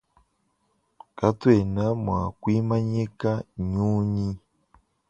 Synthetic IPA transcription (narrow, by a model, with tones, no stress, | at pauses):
ka˦twe˨na˦mwa˨kwi˦ma˦ɲe˦ka˦ɲu˦ɲi˦